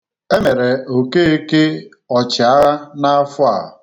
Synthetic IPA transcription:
e˦me˨ɾe˨o˨ke˦e˦ke˦ | ɔ˨t͡ʃɪ˨a˦na˦a˦fʊ˦a˨

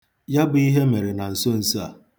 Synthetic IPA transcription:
ja˦bʊ˨i˦ɦe˦me˨ɾe˨na˨n̩˨so˦n̩˨sa̰˨

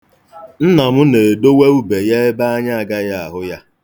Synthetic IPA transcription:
n̩˦na˨mʊ˦ne˨do˦we˦u˦be˨je˦e˦ba˦a˦ɲa˦a˨ɡa˦ja˦a˨ɦʊ˦ja˦

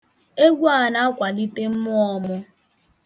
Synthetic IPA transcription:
e˦ɡʷu˦a˦˨na˦kʷa˨li˦te˦m̩˦mʊ˦ɔ˦mʊ˦

